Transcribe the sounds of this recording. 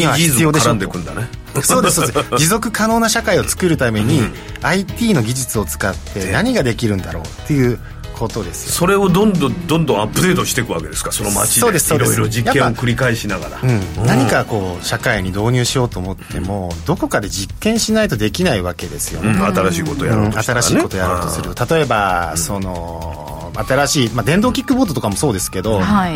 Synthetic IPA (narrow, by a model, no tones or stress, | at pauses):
iaisɨijo̞ːd̪eaãnd̪ekɯ̟̃nd̪a̰ne | so̞ːd̪esoed͡ʑizo̞kɯ̟kano̞ːnaɕakaio̞t͡sɨ̥kɯ̟ɾɯ̟t̪ame̞ɲ̟i | ait̪ʲiːno̞ɡʲiʑit͡sɨo̞t͡sɨ̥kat̪ːe̞naɲ̟iɡad̪e̞kʲiɾɯ̟̃nd̪a̰ɾo̞̰ːt̪ːe̞jɯ̟ː | kʰo̞t̪o̞d̪e̞sɨ̥joso̞ɾe̞od̪õnd̪õd̪õnd̪õapːɯ̟d̪e̞ːt̪oɕi̥t̪ekɯ̟βa̰ked̪e̞sɨ̥kasonoma̰t͡ɕio̞ːe̞sɨ̥so̞ːdiɾod͡ʑikjaẽːokɯ̟ɾʲikaiɕinaɡa̰ɾa̰ɯ̟̃naɲ̟ikako̞ːɕakaiɲ̟id̪o̞ːɲ̟ʲɨːɕijo̞ːt̪oːmo̞t̪ʰːe̞̰mo̞d̪o̞ko̞kad̪e̞d͡ʑikːẽ̞ɰ̃ɕinait̪o̞d̪e̞kʲinaiβake̞d̪e̞sɨ̥jo̞̰at̪aɾaɕiːko̞t̪ojãat̪aɾasɕiːikkot̪ojaɾoːt̪o̞sɨɾɾɯt̪at̪o̞e̞baso̞no̞ | at̪aɾaɕiːmad̪ẽ̞nd̪o̞ːkʲikːɯboːd̪o̞t̪okamo̞so̞ːd̪e̞sɨ̥ke̞d̪o̞ha